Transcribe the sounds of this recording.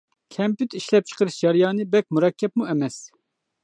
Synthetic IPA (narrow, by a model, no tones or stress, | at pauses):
kʰɛmpyt̪iʃlɛp̚t͡ʃʰə̥qɨɾɨsd͡ʒɑɾjɑːnibɛk̚muɾɑkʲʰːɛp̚muɛmɛs